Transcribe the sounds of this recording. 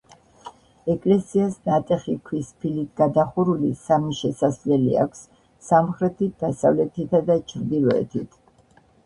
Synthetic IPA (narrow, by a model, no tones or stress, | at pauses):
ɛkʼlɛsiasnat̪ʼɛχikʰwispʰilit̪ʰɡad̪aχuɾulisamiʃɛsaslɛlḭa̰kʷʰsː | amχɾɛt̪ʰit̪̚d̪̥asavlɛt̪ʰit̪ʰad̪at͡ʃʰɾd̪ilɔɛ̰t̪ʰit̪ʰ